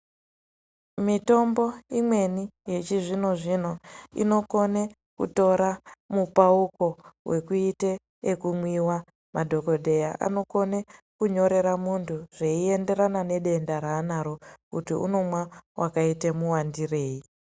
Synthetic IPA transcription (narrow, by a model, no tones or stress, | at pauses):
mito̞mbo̞imwe̞nije̞t͡ʃiʐino̞ʐino̞ḭno̞ko̞ne | kṵto̞ɾamupauko̞we̞kuiteː | kumwiwa | madʱo̞ko̞dʱe̞jaʔa̰no̞ko̞nekuɲo̞ɾe̞ɾamuntʰuʐ̥e̞ie̞nde̞ɾanane̞ɗe̞ndaɾaːnaɾo̞kutiṵno̞mwawʔakaitemuwandire̞ːi